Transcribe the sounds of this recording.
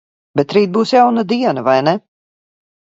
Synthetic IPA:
bət̪ɾit̚busjawnədiənəvajnɛ

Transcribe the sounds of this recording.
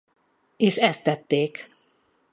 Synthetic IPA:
eːʃɛst̪ːɛt̪ːeːk

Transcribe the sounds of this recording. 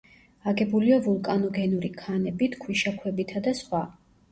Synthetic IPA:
aɡɛbuliavulˠkʼanɔɡɛnuɾikʰanɛbit̪ʰkʰwiʃakʰwɛbit̪ʰad̪asχwa

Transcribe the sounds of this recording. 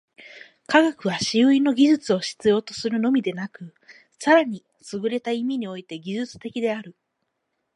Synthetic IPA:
kaɡakɯ̟β̞aɕiɯ̟ino̞ɡʲiʑɨt͡sɨo̞ɕi̥t͡sɨjo̞ːt̪o̞sɨɾɯ̟no̞mʲid̪e̞nakɯ̟ | saɾaɲ̟i | sɨɡɯ̟ɾe̞t̪aimʲiɲ̟io̞it̪e̞ɡʲiʑɨt͡sɨ̥t̪e̞kʲid̪e̞aɾɯ̟

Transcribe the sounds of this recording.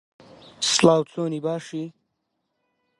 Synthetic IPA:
slaːwt͡soːnibaːʂi

